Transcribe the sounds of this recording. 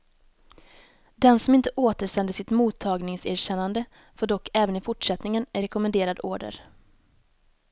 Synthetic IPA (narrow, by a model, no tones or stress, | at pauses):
d̪ɛnsɔmɪnt̪əʔoːt̪əʂɛnd̪əsɪt̪muːt̪ʰːɑːɡnɪŋsæːɾɕɛnːand̪ə | foːɖɔkʰːɛːvənɪfʊʈʂɛt̪nɪŋənɾɛkɔmɛnd̪eːɾad̪oːɖə̰ɾ